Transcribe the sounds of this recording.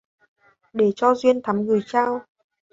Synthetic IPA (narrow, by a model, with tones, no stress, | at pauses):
ɗe˧˩t͡ɕɔ˧zwi˧ənt̪ʰa˨˦mɣɨ˨˩jt͡ɕaː˧w